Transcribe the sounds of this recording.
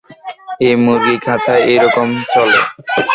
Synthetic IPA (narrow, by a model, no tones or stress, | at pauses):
emoɾikʰat͡ɕʰaeʔeɾɔkomt͡ɕɔlḛ